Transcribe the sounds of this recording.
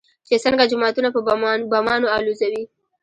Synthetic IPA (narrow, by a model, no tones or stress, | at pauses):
t͡ʃesəŋɡad͡ʒʊmɑt̪unapəbamɑnoɑluzawi